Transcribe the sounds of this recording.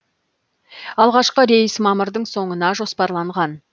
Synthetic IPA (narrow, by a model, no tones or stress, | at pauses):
ɑlˠʁɑʃqəɾe̞jɪsmɑməɾd̪əɴso̞ɴənɑʒo̞spɑɾlˠɑɴʁɑn